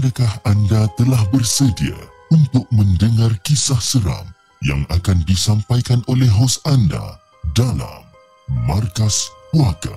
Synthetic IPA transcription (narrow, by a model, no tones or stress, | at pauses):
mədakahandat̪əlahbərsədia̰ | unt̪ʊk̚mə̃ndəŋarkisahsəɾa̰m | ja̰ŋakandisampajkanʔolɛɦɦosanda̰ | dala̰mː | arkaspuaka̰